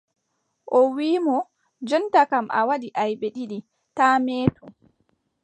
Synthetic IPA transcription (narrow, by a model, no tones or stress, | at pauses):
ʔɔwiːmɔ | d͡ʒɔntakamʔa̰wadiʔajɓɛɗiɗi | taːmeːtʰu